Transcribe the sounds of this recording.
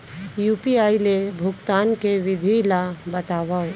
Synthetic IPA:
juːpiaːilebʱʊkt̪aːnkeʋɪd̪ʱilabɐt̪aːwaɦo

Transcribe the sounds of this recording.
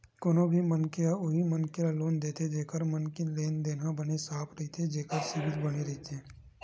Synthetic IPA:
koːnõbʱimənkeaʊɦimənkealoːnd̪eːt̪ʰed͡ʒeːkəɾmənkileːnd̪eːnãbɐnesaːpʰɾɐɦit̪ʰed͡ʒeːkəɾsɪbɪt̪bɐneɾɐɦit̪ʰeː

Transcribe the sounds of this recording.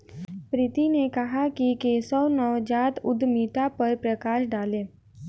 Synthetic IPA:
pɾɪt̪inekəɦakikesəwnɔwd͡ʒat̪ʊd̪miːʈapəɾpɾəkaʃɖaːlẽ

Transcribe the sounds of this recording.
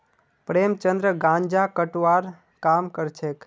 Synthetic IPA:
pɾeːmt͡ʃənd̪ɾəɡãɲd͡ʒakəʈʋaɾ | kamkəɾt͡ʃʰek

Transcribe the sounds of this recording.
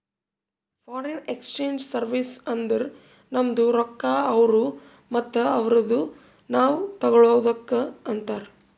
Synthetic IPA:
pʰaːɾenekst͡ʃeːɲd͡ʒsɐɾʋisɐnd̪ɐɾ | nɐmd̪uɾɔkːaːɐʋɐɾu | mɐt̪ːɐɐʋɐɾɐd̪u | naːʋut̪ɐɡɐɭoːd̪ɐkːɐɐnt̪aːɾ

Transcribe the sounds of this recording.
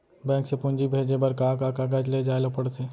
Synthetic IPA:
bɛ̃ːksepʊ̃nd͡ʒibʱeːd͡ʒebəɾkaːkaːkaɡ̬ad͡ʒled͡ʒaːelopəɽt̪ʰeː

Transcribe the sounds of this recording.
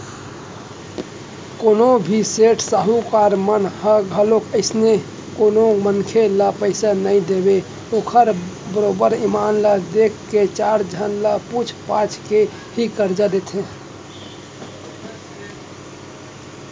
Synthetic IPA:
konobʱiseʈʰsəɦukaɾmənhəɡʱəlokəɪsne | konomənkʰelapəɪsanəĩd̪ebe | okʰəɾbəɾobəɾimanləd̪ekʰːet͡ʃaɾd͡ʒʱənləput͡ʃʰpãt͡ʃʰke | hikəɾd͡ʒad̪et̪ʰẽ

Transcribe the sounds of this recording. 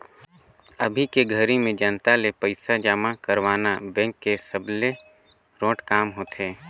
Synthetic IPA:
əbʱikeɡʱəɾimẽd͡ʒənt̪alepəɪsad͡ʒaːmakəɾʋaːnabɛ̃ːŋkːesəble | ɾõːʈkaːmɦoːt̪ʰeː

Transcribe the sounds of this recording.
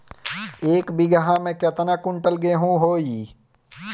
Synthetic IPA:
eːkbʱiɡəɦãmẽket̪nakʊɳʈəlɡeɦũɦoːiː

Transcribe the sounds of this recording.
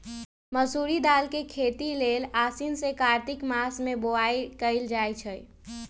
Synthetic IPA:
məsuɾid̪aːlkekʰet̪ilelaːsinsekaːɾt̪ɪkmasmeboaikəɪld͡ʒajt͡ʃʰəj

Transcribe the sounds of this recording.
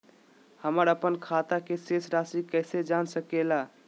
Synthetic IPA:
həməɾəpənkʰat̪akesesɾasikəɪsed͡ʒansəkela

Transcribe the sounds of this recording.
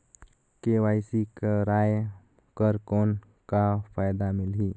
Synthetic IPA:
kewaːɪsikəɾaːj | kəɾkoːn | kapʰajd̪amɪlɦi

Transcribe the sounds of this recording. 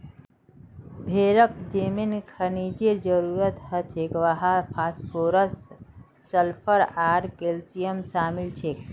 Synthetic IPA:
bʱeɾəkd͡ʒeminkʰənid͡ʒeɾd͡ʒəɾuɾət̪ɦət͡ʃʰekʋaɦapʰaspʰoɾəsː | əlpʰəɾaɾkelsijəmʃaːmilt͡ʃʰek

